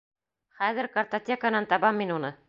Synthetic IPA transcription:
χæðɘɾkɐrt̪otʲekanɑnt̪ɑβɑmːinunɤ

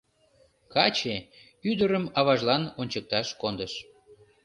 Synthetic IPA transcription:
kɑt͡ɕe | yd̪əɾəmɑβɑʒlɑnonʲt͡ɕək̚t̪ɑʃkond̪əʃ

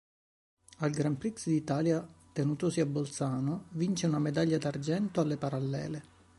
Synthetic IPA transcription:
alɡɾampɾiksd̪it̪aːljat̪enuːt̪osiabːolt̪saːnovint͡ʃeunamed̪aʎːad̪ard͡ʒɛnt̪oalːepaɾalːɛ̰ːle

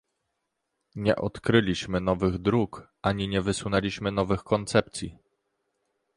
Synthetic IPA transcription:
ɲɛ̰ʔɔt̪kɾɘlʲiɕmɘnɔvɘɣd̪ɾukʔaɲiɲɛvɘswunɛlʲiɕmɘnɔvɘxkɔnt̪sɛp̚t̪sʲjḭ

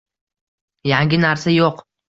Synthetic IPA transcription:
jaŋɡʲɪnaɾsajoq

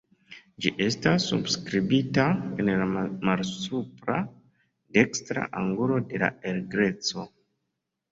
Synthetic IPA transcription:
d͡ʒiʔe̞stasːṵbskɾibitaenlamalsupɾa̰ | dekstɾa̰ʔaŋɡulo̞de̞la̰eɾɡɾe̞t͡so̞

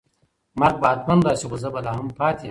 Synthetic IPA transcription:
mɐɾɡ̚baːd̪̚pɐnd̪aːsixozɐbɐlaːɦɐmpaːt̪ʰe

